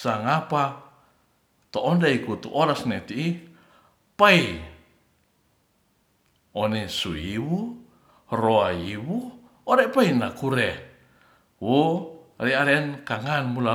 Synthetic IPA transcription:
saŋapa | t̪oʔɔndaikut̪uʔoɾasnet̪ii | pai | onɛsuiwu | roaiwu | oɾɛpainakuɾɛ | wuriaɾɛnkaŋanmula

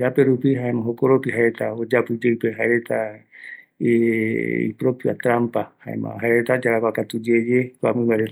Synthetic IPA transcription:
apeɾupiɦaemãɦokoɾopiɦaeɾet̪aod͡ʒapɨd͡ʒeɨpeɦaeɾet̪a | ḭpɾopja̰t̪ɾampaha̰ḛmã̰ɦaeɾet̪ad͡ʒaɾakwʷakat̪ud͡ʒed͡ʒekʷa̰mɨ̃βajɾet̪

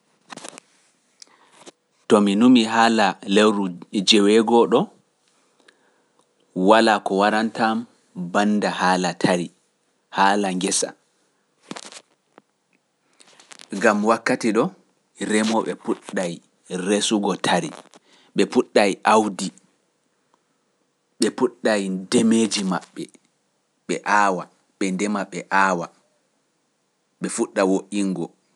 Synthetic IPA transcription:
tɔminumiɦaːlalewɾud͡ʒɛwɛɡɔɗɔ | walakɔwaɾantam | bandahaːlatʰaɾi | haːlaŋɡɛsa̰ | ɡamwakːatiɗɔ | ɾɛmɔɓɛpuɗːaj | ɾesuɡɔtʰaɾḭ | ɓɛpuɗːajʔawdi | ɓɛpuɗːajdemeːd͡ʒimaɓːɛ | ɓɛʔaːwa | ɓɛndɛmaɓɛʔaːwa | ɓɛfuɗːawoʔiŋɡɔ

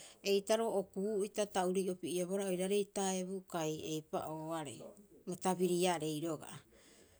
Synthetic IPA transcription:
e̞jtaɾo̞ʔokuitatauɾijo̞piieβo̞ɾaojɾaɾe̞jtae̞bukaje̞jpa̰ʔoaɾḛjmotaβiɾiaɾe̞jɾo̞ɡa̰

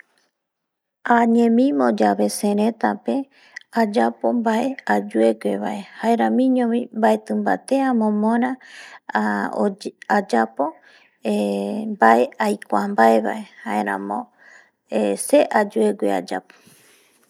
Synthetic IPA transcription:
aɲẽmĩmõd͡ʒaβe̞sẽɾẽt̪ape̞ | ad͡ʒapo̞mbaʔead͡ʒue̞ɡʷeβaʔe̞haeɾãmĩɲõmĩmbaet̪ɨmba̰t̪e̞amõmõɾ̃ã | ad͡ʒapo | embaʔe̞ajkʷambaeβa̰e̞hae̞ɾã̰mõ | ese̞ʔad͡ʒue̞ɡʷḛa̰d͡ʒa̰po̥

